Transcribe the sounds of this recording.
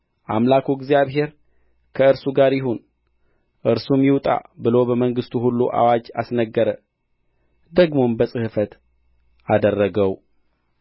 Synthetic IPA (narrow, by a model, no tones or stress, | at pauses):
ʔamlakʰuɡzijaβɦe̞ɾ | kʰəɨɾsuɡaɾjɪɦun | ʔɨɾsumjɪwt̪ʼa̰bɨlo̞bəməŋɡɨst̪ʰuɦulːuʔa̰wad͡ʒa̰snəɡːəɾə | d̪əɡmombəsʼɨhɨfət̪ | ʔad̪ərːəɡəw